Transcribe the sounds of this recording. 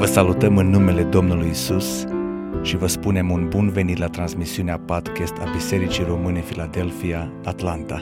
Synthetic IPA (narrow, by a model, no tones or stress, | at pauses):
vəsalut̪əmɨnːume̞le̞d̪o̞mnulujisus | ʃivəspune̞munbunve̞nit̪lat̪ɾansmisiuneapad̪kʲest̪a̰bise̞ɾit͡ʃijro̞mɨne̞filad̪e̞lfiaːt̪lant̪a